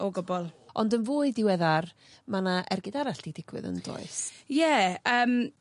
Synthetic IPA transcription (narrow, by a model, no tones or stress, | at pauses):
ɔɡɔbɔlˠɔndənvʊːɨdɪwɛðar | manaʔɛrɡɪdaɾaɬd̥idɪɡ̥wɪ̰ðə̰nd̥o̰ɨsjɛəːm